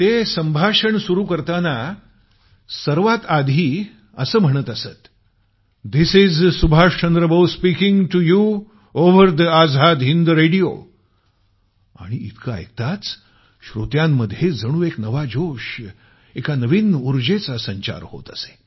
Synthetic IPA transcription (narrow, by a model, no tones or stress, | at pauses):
t̪esə̃mbʱaʂəɳsuɾuːkəɾt̪ana | səɾʋat̪ad̪ʱiː | əsəːm̤əɽ̃ət̪əsət̪ | d̪isid͡zsubʱaʂt͡ɕənd̪ɾəbəwspikĩŋɡʈuju | oʋəɾd̪əad͡zʱad̪ɦind̪uɾeɽijo̰ | a̰ɽ̃iit̪kaḛk̚t̪at͡s | ɕɾot̪jãmːəd̪ʱjed͡zəɽ̃uːeknəʋad͡ʑoʂ | ekanəʋiːnuɾd͡ʑet͡sasəɲt͡ɕa̰ɾho̰t̪əse̥